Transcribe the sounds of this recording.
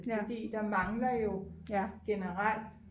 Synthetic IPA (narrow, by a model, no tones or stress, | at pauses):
ɒd̥ḭːd̥ɑ̈mɑ̈ŋlɐjo̝ɡ̥enəʁal̰d̥